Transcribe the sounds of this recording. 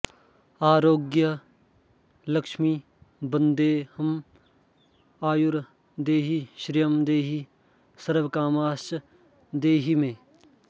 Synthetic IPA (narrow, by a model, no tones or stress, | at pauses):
aːɾoːɡjə | lɐkʃmi | bə̃nd̪eːhɐm | aːjuɾ | d̪eːɦiʃɾijəmd̪eːɦi | sɐɾʋkaːmaːʃ | d̪eːɦimẽː